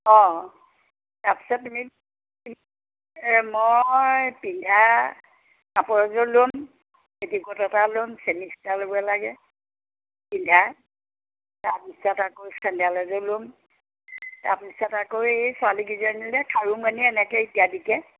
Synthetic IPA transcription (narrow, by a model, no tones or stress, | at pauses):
ɔ̃ | taɹpi̥sɔtːumi | mojpindʱa | kapɔɹɔzɔlʊm | etikɔtɔtalʊmsemikʰtalobualaɡɛ | pindʱa | taɹpisɔtakoskandialɔzɔlʊm | taɹpisɔtakoɹejsʊaliɡizɔnilɛkʰaɹumaniɛnɛkɛitiadikɛ